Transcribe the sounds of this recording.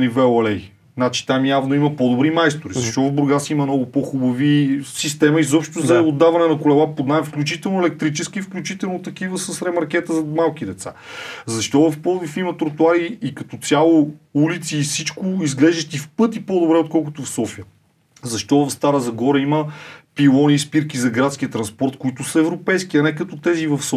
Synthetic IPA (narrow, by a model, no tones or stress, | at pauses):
nivɛɐlɛj | nat͡ʃi̥t̪amjavnoimɐpod̪ʊbɾimajst̪oɾizɐʃt̪ɔvɐvbɾʊɾɡasimɐnɔɡʊpoxubɐvisist̪ɛmɐizɔpʃt̪ʊzɐod̪ːavɐnɛnɐkʊlɛlˠapod̪naɛfklʲut͡ʃit̪ɛlˠnʊɛlɛk̚t̪ɾit͡ʃɛskiːfklʲut͡ʃit̪ɛlˠnot̪ɐk̟ivəsəsɾɛmɐɾk̟ʲɛt̪əzɐmalˠk̟id̪ɛt̪sa̰zɐʃt̪ɔvɐfpɔlˠvifimət̪ɾot̪uaɾiːkɐt̪ɔt̪sʲjalˠoulit̪siːsit͡ʃkʊizɡlɛʒd̪ət̪ifpɤt̪ipɔd̪obɾɛot̪̚kɔlˠkʊt̪ofsɔfiə | zɐʃt̪ɔvɐfst̪aɾəzɐɡɔɾɛiməpilˠɔniːspiɾkizɐɡɾat̪sk̟ʲiət̪ɾɐnspɔɾt̪koit̪ʊsɐɛvɾopɛjskiɐnɛkɐt̪ɔt̪ɛzivɐfs